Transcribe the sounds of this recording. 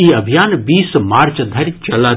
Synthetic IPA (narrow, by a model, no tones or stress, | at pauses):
iɐbʱijaːnbiːsmaːɾt͡ʃd̪ʱɐɾt͡ʃɐlaː